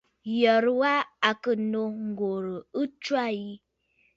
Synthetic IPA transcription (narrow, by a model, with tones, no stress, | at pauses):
jə˨ɾwa˦a˨kə˦no˦ŋ˨˦ɡo˨ɾə˨ə˦t͡ʃwa˦˨ji˦